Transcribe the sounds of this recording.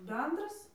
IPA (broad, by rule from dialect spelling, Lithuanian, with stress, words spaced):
ˈbʲɛndrɐs